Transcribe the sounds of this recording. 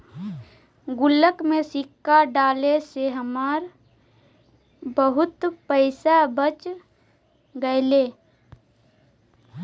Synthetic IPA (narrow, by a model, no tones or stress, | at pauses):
ɡʊləkmẽsɪkːaɖaːleseɦəmaːɾ | bəɦʊt̪pəɪsabət͡ʃ | ɡəeleː